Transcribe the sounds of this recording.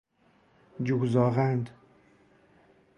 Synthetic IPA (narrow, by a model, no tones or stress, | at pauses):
d͡ʒuɡzɒːɣænd̪